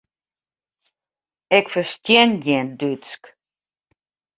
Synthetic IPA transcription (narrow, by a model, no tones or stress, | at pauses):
ɛkfərstjɛnjɛndyt͡sk